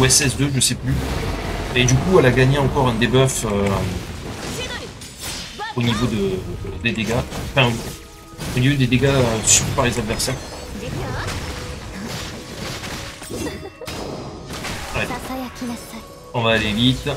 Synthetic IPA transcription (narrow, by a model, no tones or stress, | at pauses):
wɛsɛs̬d̪øʒəsɛply | ed̪ykuɛlaɡaɲeɑ̃kɔʁɛ̃d̪ebœfø | onivod̪əd̪ed̪eɡãfɛ̃ | onivod̪ed̪eɡasyʁpaʁezab̪vɛʁsa | a | ɔ̃vaːlevit̪